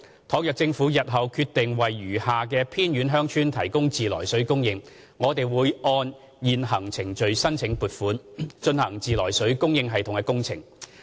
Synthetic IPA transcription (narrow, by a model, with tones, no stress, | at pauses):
t̪ʰɔ˨˥ŋjœ˨k̚t͡sɪ˧ŋfuː˨˥jɐ˨t̚ɦɐ˨wkʰyː˧t̪ɪ˨ŋwɐ˨jːyː˨˩haː˨k̬ɛː˧pʰiː˥nɥyː˨˥nɦœː˥ŋt͡ʃʰyː˥nt̪ʰɐ˨˩jkʊ˥ŋt͡siː˨lɔ̰ː˨˩jsɵ˨˥ɥkʊ˥ŋjɪ˧ŋ | ŋɔː˨˧t̪e˨jwuː˨˧jʔɔː˧n | jiː˨nɦɐ˨˩ŋt͡sʰɪ˨˩ŋt͡ʃɵ˨ɥsɐ˥nt͡sʰɪ˨˥ŋpuː˨˩t̚fuː˨˥nt͡ʃɵ˧nhɐ˨˩ŋt͡siː˨lɔː˨˩jsɵ˨˥ɥkʊ˥ŋjɪ˧ŋɦɐ˨jt̪ʰʊ˨ŋkɛː˧˥kʊ˥ŋt͡sʰɪ̰˨˩ŋ